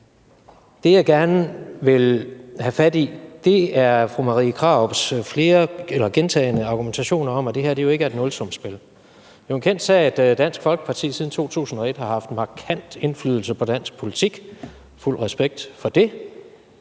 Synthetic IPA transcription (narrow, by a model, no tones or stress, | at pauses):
d̥e̝jɑ̈ɪɡ̥æɐnəʋe̝lhæfæd̥id̥e̝æɐfʁumɑ̈ʁḭːkʰʁɑ̈b̥sfle̝ːɐelɐɡ̥ent͡sʰɛ̰ɪnəɑ̈ɡ̥ument͡sʰæɕo̝̰ːnɐɒ̽m̰æd̥e̝ɦæɐ̰d̥e̝jo̝e̝ɡ̥æɐe̝d̥nɔ̽lsɒ̽msb̥e̝l̰ | johnkʰen̰d̥sɛːed̥d̥æn̰sɡ̥fɒ̽lɡ̥ə̥pʰɑ̈t͡sʰḭːsið̞ˠn̩t͡sʰo̝̰ːt͡sʰṵːsn̩ɒ̽e̝d̥hɑ̈hɑ̈fd̥mɑ̈kʰæn̰d̥e̝nflyðˠl̩səpʰɒ̽d̥æn̰sɡ̥̚pʰo̝lit͡sʰiɡ̥ | ful̰ʁɛsb̥eɡ̥̚d̥fɒ̽d̥e̝